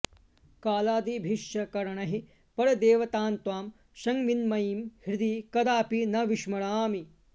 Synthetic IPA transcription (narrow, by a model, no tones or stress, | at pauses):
kaːlaːd̪ibʱiʃjɐkɐɾɐɳɐɦi | pɐɾɐd̪eːʋɐt̪aːnt̪ʋaːm | ʃɐŋʋinmɐjiːmhɾɪd̪iːkɐd̪aːpinɐʋiʃmɐɽaːmi